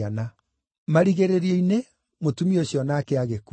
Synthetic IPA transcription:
ana | maɾiɣeɾeɾieine | motumioɕjɔnakeaɣek

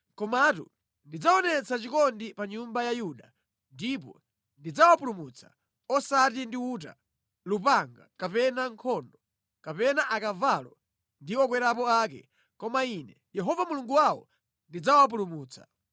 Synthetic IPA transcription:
kɔmaːtṵ | ndid͡zaɔnɛt͡sʰat͡ʃikɔndipaɲumbajajuɗa | ndip̬ɔ̰ | ndid͡zawapulumut͡sʰḁ | ɔsatindiuta̰ | lupaŋɡakapɛnaŋkʰɔndɔ | kapɛnaʔakavalɔ | ndiɔkwɛɾapɔaːk̬ɛ̰ | kɔmainɛjɛɦɔvamuluŋɡuwawɔ̰ | ndid͡zawap̬ulumuːt͡sʰḁ̰

